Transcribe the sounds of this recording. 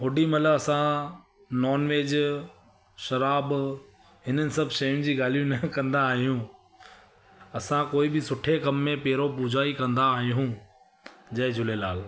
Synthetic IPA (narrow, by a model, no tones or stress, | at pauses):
ɦʊɖimɐləɐsã | nɔːnʋeːd͡ʑ | ʃɐɾaːb | ɦɪnənɪ̆sɐbʱʃɐjʊ̃nɪ̆d͡ʑiːɡaːl̤ijũnɐkɐ̃nd̪aːɦijũ | ɐsãkoːɪbɪsʊʈʰekɐmːẽpeːɾopuːd͡ʑʱaːikɐ̃nd̪aːɦijũ | d͡ʑɐɦd͡ʑʱʊlelaːl